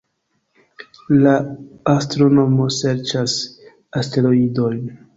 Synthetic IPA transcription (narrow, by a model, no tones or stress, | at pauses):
laastɾo̞no̞mo̞se̞ɾt͡ʃas | aste̞ɾo̞ido̞jn